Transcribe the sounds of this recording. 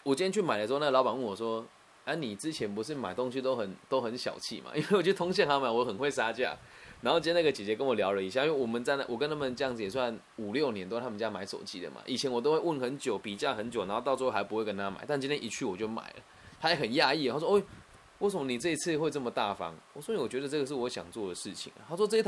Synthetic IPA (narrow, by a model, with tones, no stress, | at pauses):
wɔ˨˩t͡ɕi˥nt̪jɛ˥t͡ɕʰy˥˩ma˨ɪdə˩˧˥na˥˩əlɑ˧˥pa˨˩nwə˥˨˩nwɔ˨˩wɔ˥ | a˥˩ni˨˩t͡sɹ̩˦˥t͡ɕʰjɛ˧˥npu˧˥ʂɻ̩˥˩ma˨˩ɪt̪o˥ŋɕ̬i˧˥t̪o˥ʊxə˨˦nt̪o˥ʊxə˧˦nɕjɑ̰˨˩ʊt͡ɕʰḭ˥˩ma̰˨ʔi˥nwe˥˩wɔ˨˩t͡ɕʰo˥˩t̪ʰo˥ŋɕ̬jɛ˥˨nha˧˥ma˨˩ɪwɔ˧˥xə˨˩nxwe˥˩ɪsa˥t͡ɕja̰˥˩na˧˥nxo˥˧ʊt͡ɕi˥na˥˩ɡə˩t͡ɕjɛ˨˩t͡ɕjɛ˧˥kə˦nwɔ˨˩ljɑ˧˥ʊlə˨i˧˥ɕja˥˨i˥we˥˩wɔ˨˩mə˨nt͡sa˥˧ɪna̰˥˨˩wɔ˨˩kə˦nʰa˥˩mə˨ʈ͡ʂɤ˥jɑ˥˩ŋd͡z̩˨jɛ˨˩swa˥˩n | u˨˩ljo˥˨˩ʊnjɛ˧˦nt̪o˥˧t̪ʰa˥mə˨˧t͡ɕja˥ma˧˥ɪʂo̰˨˩ʊt͡ɕḭ˨˩d̪ə̰˨ma̰˨˩ʔi˨˩t͡ɕʰjɛ˧˥nwɔ˨t̪o˥ʊxwe˥˧ɪwə˥˩nxə˧˦nt͡ɕjo˨˩ʊpi˨˩t͡ɕja˥˩xə˧˦nt͡ɕjo˨˩ʊna˧˦nxo˥˧t̪ɑ˥˧ʊt͡sɤ˥˧xa˧˥ɪpu˧xwe˥˩ɪkə˦nt̪ʰa˥ma̰˨˩ɪt̪a˥nt͡ɕi˥nt̪ʰjɛ˥nʔi˧˥t͡ɕʰy˥˩wɔ˨˩t͡ɕjo˥˩ʊma̰˨˩ɪlə̰˦ | t̪ʰa˥jɛ˧˥xə˨˩nja˥˧i˥˩ə˨˩a˥˩swe˥˩ɪ | we˥˩ɪsə˩mə˧˩ni˨˩t͡sɤ˥˧i˧t͡sʰɹ̩˥˧xwe˥˧ɪʈ͡ʂɤ˥˩mə˨t̪a˥˩fɑ̰˦ŋwɔ̰˨˩swɔ˥i˨˥wɔ˨˩t͡ɕɥɛ˧˥d̪ə˨ʈ͡ʂɤ˥˩ɡə˨˩ʂ̬ɻ̩˥˩wɔ˧˥ɕjɑ̰˨˩ŋt͡swɔ˥˩d̪ə˩ʂɻ̩˥˩t͡ɕʰḭ˨˩ŋə̰˨˩ha˥s̬wɔ˥t͡sɤ˥˧i˥t̪ʰ